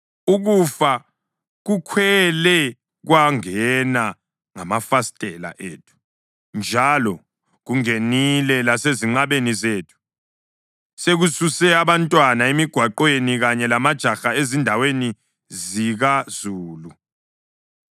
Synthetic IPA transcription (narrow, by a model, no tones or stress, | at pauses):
uɣufa | ɣukʰwɛlɛ | ɣwaŋɛna | ŋamafastʼɛla̰ʔḛːtʰu̥ | nd͡ʒʱalɔ | ɣuŋenilɛlaseziŋ͡ǃaβenizeːtʰu̥ | seɣususɛaβantʼwanaemiɡ̥ʱwaǃweniɣaɲɛlamad̥ʒ̥ʱaxaezindʱaweni | ziɣazuːlu